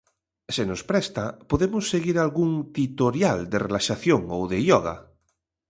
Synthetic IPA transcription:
senospɾɛst̪apoðemosːeɣiɾalɣuŋt̪it̪oɾjald̪erelaʃaθjoŋowðejɔɣ̞a̰

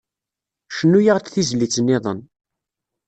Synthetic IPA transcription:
ʃənːujaʁt͡s̪θizlit͡sːənːɪðˤə̰n

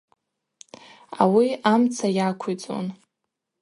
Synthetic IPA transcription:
a̰wiamt͡sʰajakʷʰit͡sʼo̰n

